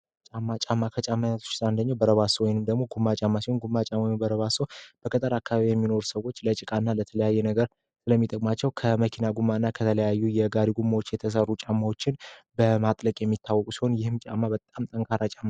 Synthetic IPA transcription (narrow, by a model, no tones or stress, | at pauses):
t͡ʃʼamːat͡ʃʼamːakʰət͡ʃʼamːajat̪ʰo̥t͡ʃːsaɨnd̪əɲːawbəɾəβasəwɔjɪnɨmd̪əɡmo̞ɡumːat͡ʃʼamːasihonɡumːat͡ʃʼamːabəɾəβasowb̥əkʰʼət̪ʼəɾakːaβaβijɛmːino̞ɾusəwo̞t͡ʃːlət͡ʃʼɪkʼanːalət̪ʰələjajːɛnəɡəɾ | sɨləmːit̪ʼəkʼmat͡ʃːɛwkʰəməkʰinaɡumːaɨnːakʰət̪ʰələjajːujɛɡaɾiɡumːawo̞t͡ʃːjɛt̪ʰəs̬ərːut͡ʃʼamːawo̞t͡ʃːɪnbəmat̪ʼləkʼjɛmːit̪ʰːawːɔkʼusi̥ho̞njɪhɨmt͡ʃʼa̰mːabət̪ʼamt̪ʼəŋkʰaɾat͡ʃʼamːa